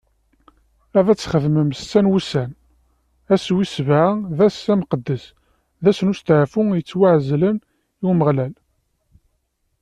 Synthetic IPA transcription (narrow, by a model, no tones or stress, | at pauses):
æðæt͡sːχəðməmsːænwusæn | æswisvʕaðæsæmqəd̪ːəs | ðæsənʊst̪əʕfʊjət͡sːwaʕzlən | iwməʁlæl